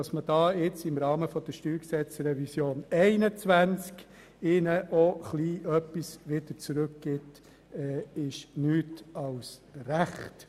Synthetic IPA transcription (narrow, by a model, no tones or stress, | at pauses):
ɑsməd̥ɑːɪt͡sɪmɾɑːməfɔd̥̪əʃtyːɾksɛt͡sɾɛvisjoːnɛɪnət͡sʋænt͡sk | ɪnəʔɔχliːʔœpːisʋɪd̥ət͡sɾʉkɡ̥ɪt | ɛɪʃnyːtɑʊsɾæχt